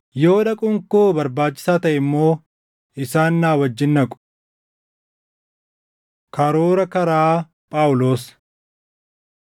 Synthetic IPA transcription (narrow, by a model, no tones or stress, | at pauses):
jo̞ːᶑɐkʼʊŋkoːbɐɾbaːt͡ʃːɪ̥saːt̪ɐʔɪmːo̞ː | ɪsaːnːaːwɐd͡ʒːɪnːɐkʼʊ̥ | kɐɾoːɾɐkɐɾaː | pʼaːʊlo̞ːs